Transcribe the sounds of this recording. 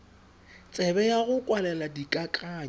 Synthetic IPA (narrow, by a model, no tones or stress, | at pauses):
t͡sʼɛbɛjaɣʊkʼwalɛladikʼakʼaːɲ